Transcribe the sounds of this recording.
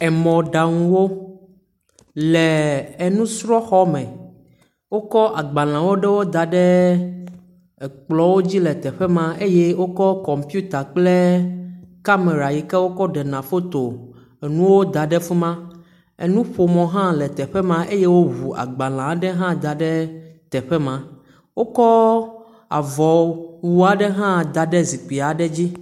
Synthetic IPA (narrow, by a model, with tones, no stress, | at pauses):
ɛ˨mɔ̃˨ɖa˨ŋũ˨wo˦ | lɛː˨nũ˦sɾɔ˦xɔ˦mɛ̃˨ | wo˦kɔ˦ʔa˨ɡ͡ba˨l̃ã˨wo˦ɖɛ˦wo˦d̪a˨ɖɛ˦˨ | k͡plɔ˨wo˦d͡ʑi˦lɛ˨t̪ɛ˨ɸɛ˦mã˦e˦je˦wo˦kɔ˦kɔ˨mpu˦t̪a˨k͡ple˦ | ka˦me˨ɾa˨ji˨kɛ˦wo˦kɔ˦ɖɛ˨nã˨fo˦t̪o˨ | nũ˦wo˦d̪a˨ɖɛ˦fu˦mã˦ | ḛ˨nũ˦ɸo˨mɔ̃˨ɦã˦lɛ˨t̪ɛ˨ɸɛ˦mã˦ʔe˦je˦wo˦ɦu˨a̰˨ɡ͡ba˨l̃ã˨˦ɖɛ˦ɦã˦d̪a˨ɖɛ˦t̪ɛ˨ɸɛ˦mã˨ | wo˦kɔ˦ | a̰˨vɔ˨wu˦a˨ɖɛ˦ɦã˦d̪a˨ɖɛ˦zi˨k͡pi˨a˨ɖɛ˦d͡ʑi˦